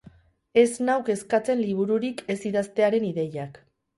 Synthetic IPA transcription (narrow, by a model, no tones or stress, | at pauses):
e̞znawke̞skat͡se̞nliβ̞uɾuɾikʰe̞siðast̪e̞aɾe̞niðe̞jak